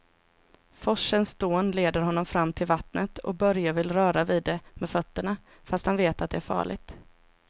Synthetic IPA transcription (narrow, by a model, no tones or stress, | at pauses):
fɔʂənsd̪oːnleːd̪əɾɦɔnːɔmfɾamːt̪ʰɪlvat̪nət̪ʰɔ̰bœɾjavɪlːɾœːɾaviːd̪ːɛmɛːd̪fœt̪ːəɳa | fast̪hanveːt̪at̪̚d̪ɛæɾfɑ̰ːɭɪ̰ɡ̚t̪